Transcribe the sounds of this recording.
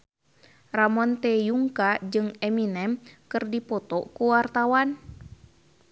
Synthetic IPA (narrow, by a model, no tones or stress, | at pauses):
ramɔnt̪ɛjuŋkad͡ʒɨŋɛminɛmkɨrdipɔt̪ɔkuwart̪awan